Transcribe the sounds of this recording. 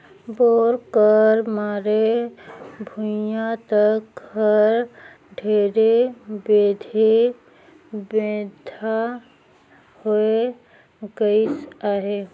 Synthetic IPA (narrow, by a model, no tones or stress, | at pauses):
boːɾkəɾmaːɾe | bʱũjãt̪əkhəɾ | ɖʱeːɾebeːd̪ʱe | beːd̪ʱa | hoe | ɡəɪsaːɦe